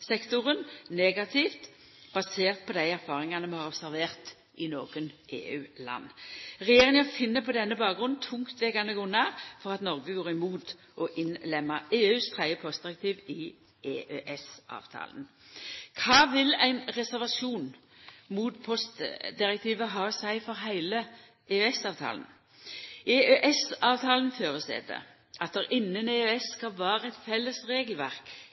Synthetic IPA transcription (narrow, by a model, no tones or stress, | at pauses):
sɛkt̪ʊʁənneːɡɑt̪ʰift̪ | b̥ɑseːʁt̪̚pʰɔd̪æɪæʁfɑːʁɪŋɑnəmɛhɑʁɔb̥sæʁʋeːʁt̪ | ʔɪnoːɡənʔḛːʉːlɑ̰nːʁɛjeːʁɪŋəfɪnːəpʰɔd̪ɛnːəbɑːkɡʁʉnnt̪ʰʊŋt̪ʰʋɛːɡɑnəɡɔnɑfɔʁɑt̪nɔʁɡəɡoːʁɪmuːt̪ | ʔɔʔɪnlɛmːɑeːʉːst̪ʰʁæɪəpʰɔst̪̚d̪ɪʁɛk̚t̪ʰiːʋɪ | eːʔøʔɛsʔɑ̰ːʋt̪ʰɑ̰ːlən | kʰɑːʋɪlæɪnʁɛsæʁʋɑʃuːnmuːt̪pʰɔst̪d̪ɪʁək̚t̪ʰiːʋəɦɑːsæɪfɔʁɦæɪlə | ʔeːøɛsɑːʋt̪ʰɑ̰ːln | ʔeːøʔɛsɑːʋt̪ʰɑːlən̩føːʁəst̪ḛːd̪ə̰ | ʔɑt̪̚d̪əʁʔɪnːəneːøɛsːkɑlʋæːʁəɛt̪fɛlːəsʁeːɡəlʋæʁk